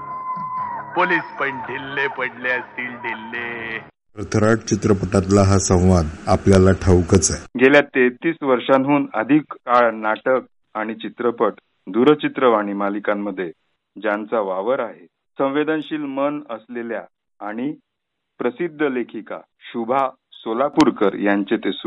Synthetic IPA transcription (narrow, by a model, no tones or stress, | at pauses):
poliːspənɖ̪ʱilːepəɽleəst̪iːlɖ̪ʱilːe | ɾət̪ʰəɾaʈ̚t͡ɕit̪ɾəpəʈat̪laɦasə̃w̃ʋad̪apljalaʈʰəwkət͡sajɡʱeljat̪et̪iːsʋəɾʂanɦuːnə̰d̪ʱikːaɭnaʈək̚ | aɽ̃it͡ɕit̪ɾəpəʈ | d̪uɾət͡ɕit̪ɾəʋaɽ̃imalikamːəd̪ʱːje | d͡ʑãnt͡saʋaʋəɾaɦe | sə̃ʋed̪ənɕiːlmənəsleljaː | ɽ̃i | pɾəsid̪ʱːəlekʰika̰ | ɕubʱa | solapuɾkəɾjaɲt͡ɕet̪esu